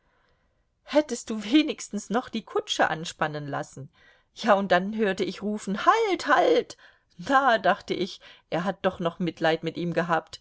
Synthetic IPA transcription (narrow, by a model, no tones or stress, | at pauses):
hɛtəst̚d̥uːveːnɪçstn̩snɔχd̥iːkʰʊt͡ʃəʔa̰nʃpanənla̰sn̩ | jaːʊnt̚d̥anɦøːɐtəɪçʁuːfn̩halthalt | daːdaχtəʔɪçʔeːɐɦat̚d̥ɔχnɔχmɪtlaɪtmɪtʔiːmɡəɦaːpt